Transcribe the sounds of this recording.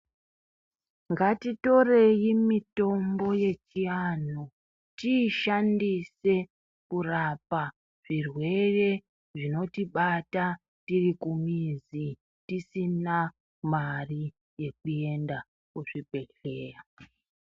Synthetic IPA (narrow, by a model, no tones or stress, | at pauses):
ŋɡatito̞re̞jimito̞mbo̞je̞t͡ʃian̤u | tiʃandise̞ | kurapa | ʐ̥irwe̞re̞ | ʐino̞tiɓata | tirikumizi | tisina | mari | je̞k̚ue̞nda | kuʐibʱe̞ɬe̞ːra